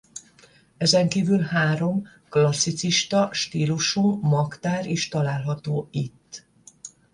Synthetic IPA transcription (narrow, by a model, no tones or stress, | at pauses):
ɛzɛŋkiːvylhaːɾo̞m | klɒsːit̪siʃt̪ɒʃt̪iːluʃumːɒkt̪aːɾiːʃt̪ɒlaːlɦɒt̪oːit̪ː